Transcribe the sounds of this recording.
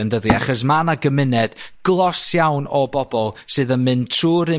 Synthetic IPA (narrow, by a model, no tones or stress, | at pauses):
ɛndəðia̰χɔs̬manaɡəmɪnɛd̥ɡ̥lˠɔsjawnɔbɔbɔlˠsɨːðənmɨntʰruːɾɨ